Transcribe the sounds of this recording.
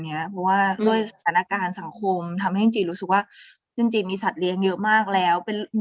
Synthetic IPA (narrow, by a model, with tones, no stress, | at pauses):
ni˦˥ɐpʰɔ˦˥waː˥˩du˥˩əjsa˧t̪ʰaː˩˦na˧kaː˧nsa˩˦ŋkʰo˧mt̪ʰa˧mha˥˩jt͡ɕt͡ɕiː˧ɾuː˦˥sɯ˨˩k̚waː˥˩ | t͡ɕi˧ŋt͡ɕiː˧˩miː˧sa˨˩t̪̚li˦˥əŋjɤ˦˥ʔmaː˥˩k̚lɛː˦˥wpe˧n